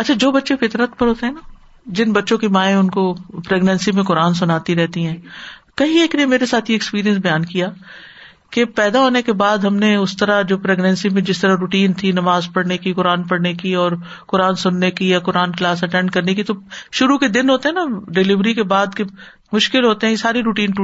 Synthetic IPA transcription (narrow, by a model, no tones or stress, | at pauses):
ɐtːt͡ʃʰad͡ʒoːbɐtːʃefɪt̪ɾət̪pɐɾɦoːt̪eɦɛ̃na | d͡ʒɪnbɐtːʃõkimaːẽʊnkopɾeːɡnɛ̃nsimẽkʊɾaːns̬ʊnaːt̪iɾɛɦt̪iɦɛ̃ːkɐɦĩeːknemeːɾesaːt̪ʰjeɛkspiːɾijə̃ns̬bɐjaːnkijaː | kepɛːd̪aɦoːnekebaːd̪ɦɐmneʊst̪ɐɾad͡ʒoːpɾeːɡnɛ̃nsimẽd͡ʒɪst̪ɐɾaɾuːʈiːnt̪ʰinɐmaːzpɐɽnekikʊɾaːnpɐɽnekiɔːɾ | kʊɾaːnsʊnːekijakʊɾaːnklaːsɐʈɛ̃ːɳɖkɐɾnekit̪oʃʊɾuked̪ɪnɦoːt̪eɦɛnaɖɪlɪʋɾikebaːd̪ke | mʊʃkɪlɦoːt̪eɦɛ̃esaːɾiɾuːʈiːn